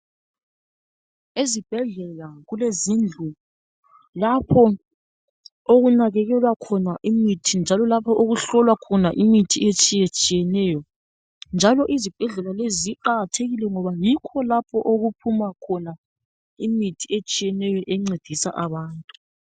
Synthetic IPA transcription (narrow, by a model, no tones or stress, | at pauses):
ezib̥ʱɛɮɛlaɣulezind͡ɮʱu | lapʰɔ | oɣunaɣɛɣɛlwakʰɔnaʔimitʰind͡ʒʱalɔlapʰɔʔoɣuɬɔlwakʰɔnaʔimitʰiet͡ʃʼijet͡ʃʼijɛnɛjɔ | nd͡ʒʱalɔʔizib̥ʱɛɮɛlaleziǃaɣatʰeɣilɛŋɔβajikʰɔlapʰɔʔoɣupʰumakʰɔna | imitʰiet͡ʃʼijɛnɛjɔʔɛŋ͡ǀed̥ʱisa̰ʔaβaːntʼu